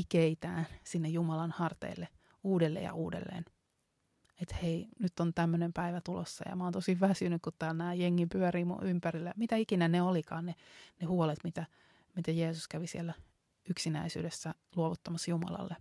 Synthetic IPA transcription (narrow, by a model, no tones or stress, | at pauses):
ikeit̪æ̰ːnsinːejjumɑlɑnhɑrt̪ḛilːe | uːdelːḛjɑ̰ʔuːdḛlːḛːn | et̪heinyt̪ːont̪æmːønempæiʋæt̪ulo̰sːɑ̰jɑ̰mɑoːnt̪osiʋʋæsynykkut̪t̪æːlnæːjeŋːimpyæɾiːmṵympærilːæmit̪æikinæneolikɑːnnenehuɔlet̪mit̪æ | mit̪æjeːsuskæʋisielːæ | yksinæisy̰ːdesːæ | luoʋut̪ːɑmɑsjumɑ̰lɑ̰lːe